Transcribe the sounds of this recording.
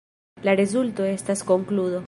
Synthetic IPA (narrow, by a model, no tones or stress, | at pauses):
laɾezult̪oe̞st̪askoŋkluðo